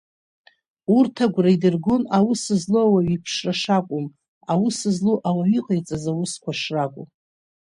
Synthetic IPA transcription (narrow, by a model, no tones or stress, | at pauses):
urtʰaɡʷraidɨrɡonawusɨzloawaɥipʰʂraʂakʷʼʊm | awʊsɨzloʔawaɥiqʼajt͡sʼazawʊskʷaʂrakʷʼʊm